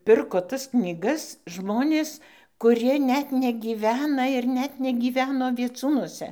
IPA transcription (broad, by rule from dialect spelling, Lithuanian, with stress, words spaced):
ˈpʲɪrkoː tɐs knʲiːˈɡɐs ˈʒmoːnʲeːs kʊˈrʲiɛ ˈnʲɛt nʲɛɡʲiːˈʋʲæːnɐ ɪr ˈnʲɛt nʲɛɡʲiːˈʋʲæːnoː ʋʲiɛˈt͡suːnuɔsʲɛ